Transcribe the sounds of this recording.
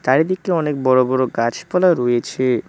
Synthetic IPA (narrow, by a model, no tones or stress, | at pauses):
t̪aɾid̪ikeɔnek̚bɔɾobɔɾoɡat͡ɕʰpɔlaɾojet͡ɕʰe